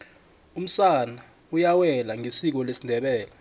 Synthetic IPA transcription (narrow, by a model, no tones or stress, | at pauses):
um̩sana | ujawɛlaŋisik̬ɔlesindʱɛɓɛːla